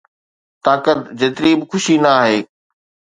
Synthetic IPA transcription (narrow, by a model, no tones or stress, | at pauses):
t̪aːkət̪̚d͡ʑeːt̪ɪɾibɪxʊʃinɐaːɦeː